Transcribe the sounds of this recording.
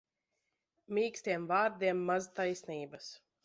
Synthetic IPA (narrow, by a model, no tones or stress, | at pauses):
mʲiːkst̪ʲiɛmvaːɾd̪ʲiɛmːazt̪ajsniːbas